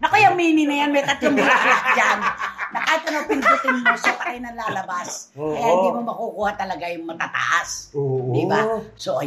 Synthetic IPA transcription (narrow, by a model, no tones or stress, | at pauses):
nɐkojɐŋmiːnɪnɐjanmɛjkɐt̪loŋmɐʔakd͡ʒannɐkaːt̪ːʊnɐwpɪnʊt̪ɪŋmosɐpɐɾɪnɐlaːlɐbas | kɐjaʔhɪnd̪iːmomɐkukuːhat̪ɐlɐɡajʊŋmɐt̪aːt̪ɐ̰ʔasoibasoʔ